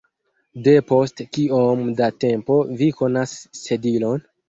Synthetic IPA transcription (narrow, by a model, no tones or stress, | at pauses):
de̞po̞stkiomdate̞mpo̞viko̞nasːe̞dilo̞n